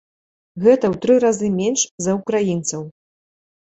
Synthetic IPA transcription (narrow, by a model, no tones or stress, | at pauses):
ɣɛt̪ɐwt̪ɾɨɾazɨmʲenʂzɐukɾajint̪sɐw